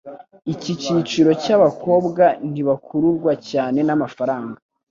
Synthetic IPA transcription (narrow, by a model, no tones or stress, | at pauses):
iciciːt͡ʃiɾo̞caβako̞ːbɡan̥iβakʰuɾuɾɡwacaːne̞namafaɾaːŋɡa